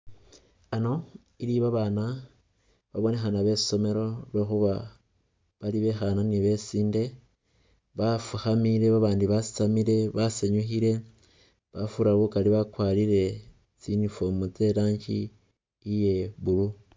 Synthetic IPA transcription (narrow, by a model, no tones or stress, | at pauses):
ano̞ | iliβaβaːna | βaβo̞ne̞xanaβe̞so̞me̞ɾo̞lwexuβa | βaliβe̞xananiβe̞siːnde̞ | βafuxamiɾe̞βaβaːndiβasi̥t͡samiɾe̞βaseɲuxiɾe̞ | βafuɾaβukaliβakwaliɾe̞ | t͡sinifomut͡se̞laːɲt͡ʃi | ije̞βulu